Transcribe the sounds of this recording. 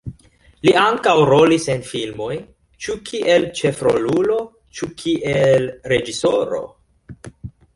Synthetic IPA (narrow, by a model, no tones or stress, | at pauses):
liaŋkawɾo̞lisenfilmo̞j | t͡ʃukʰiʔe̞lt͡ʃe̞fɾo̰lulo̞ | t͡ʃukʰiʔelɾe̞d͡ʒisoɾo̞̰